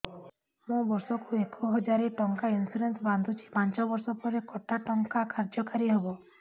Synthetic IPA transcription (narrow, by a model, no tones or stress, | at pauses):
mũbɔɾsɔkuekʰɔɦɔd͡ʒaɾiʈɔŋkainsiɖensband̪ʱut͡ʃʰi̥pãnt͡ʃɔbɔɾsɔpɔɾekɔʈaʈɔŋkakʰaɾd͡ʒɔkaɾiɦebɔ